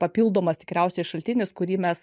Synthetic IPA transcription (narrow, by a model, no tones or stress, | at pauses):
pɐpʲilˠd̪oːmɐst̪ʲɪ̥kɾʲɛˑʊsʲɛɪʃɐlʲt̪ʲɪnʲɪskʊɾʲiːmʲɛs